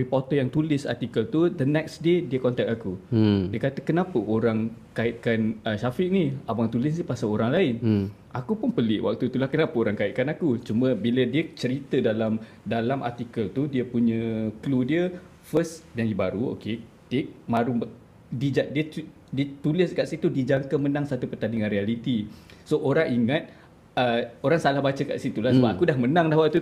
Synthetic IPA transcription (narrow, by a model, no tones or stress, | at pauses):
ripɔt̪ɔjaŋt̪ulɪsa̰rt̪ikəlt̪ud̪ənɛksdediəkɔnt̪ɛk̚akudiəkat̪əkənãpəʔoɾaŋkaɪt̪̚kanəʃafɪʔ̚niabaŋt̪ulɪsnipasaoɾaŋlaɪn | ʔakupʊnpəlɪʔwa̰k̚t̪ut̪ulahkənapəoɾaŋkaɪʔ̪̚kanakut͡ʃumə̃bilədiət͡ʃəɾit̪ədalam | dalamʔa̰rt̪ikəlt̪udiəpuɲə̃kludiə | fəsjaŋibaɾuo̰ke | t̪ɪk̚mãɾu | did͡ʒaʔdiəu | diət̪ulɪskaʔsit̪udid͡ʒaŋkəmənãŋsat̪upət̪aniŋãnrialit̪isoʔoɾaŋiŋat̪̚ | əoɾaŋsalahbat͡ʃəka̰ʔsit̪ulasəbapakudahmənãŋlahwak̚t̪u